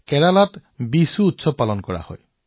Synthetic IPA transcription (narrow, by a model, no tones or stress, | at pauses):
kɛɹalatbisuːtsɔpalɔnkɔɹa̰hɔ̰j